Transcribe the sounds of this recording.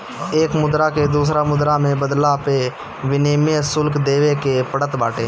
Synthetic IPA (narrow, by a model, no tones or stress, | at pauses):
eːkmʊd̪ɾaked̪uːs̬ɾamʊd̪ɾamẽbəd̪lape | ʋɪniːmesʊlkd̪eːʋekepəɽət̪baːʈʰeː